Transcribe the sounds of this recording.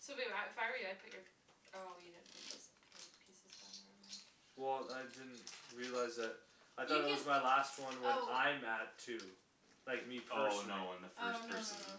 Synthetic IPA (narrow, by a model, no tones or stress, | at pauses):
soʊeaɪfaɪɹiaɪpʰɪt͡ʃə˞ | ojɨdɪdⁿn̩θʰɪ̰k̚ɪs | pʰisɨz̥ã | wɛlˠaɪdɪdⁿn̩tɹiɨlaɪzðɨt̚ | aɪθɔɾət̚wʌzmaɪlæst̚wʌ̃nwəãɪmæd̚tʰʉ | laɪk̚mifʰonoʊə̃nðɨfɜ˞əs